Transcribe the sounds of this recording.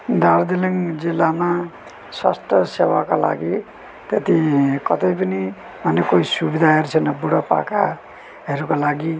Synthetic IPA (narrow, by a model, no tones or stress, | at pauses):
d̪aɾd̪iliŋd͡zilːama | swa̰st̪ʰʌsewakala̰ɡi | t̪et̪ikʌt̪ʌjpʌni | manekoisubid̪ʱaɦʌɾut͡sʰʌnʌbuɽʌpa̰ka | ɦeɾukolaɡi